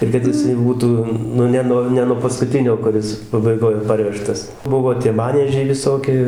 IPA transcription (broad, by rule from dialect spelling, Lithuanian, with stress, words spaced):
ɪr kɐt jɪˈsɐɪ ˈbuːtuː ˈnʊ ˈnʲɛ noː ˈnʲɛ nuɔ pɐskʊˈtʲɪnʲoː kʊˈrʲɪs pɐbɐɪˈɡoːj ˈpɐrʲʋʲɛʃtɐs ˈbʊʋoː tʲiɛ ˈmɑːnʲiɛʒʲɛɪ ʋʲɪˈsoːkʲɪ